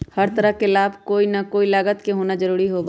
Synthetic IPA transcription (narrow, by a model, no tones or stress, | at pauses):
hɐɾt̪ɐɾəɦkelaːbkoːinakoːilaːɡət̪keɦoːnad͡ʒɐɾuːɾiɦoːɡa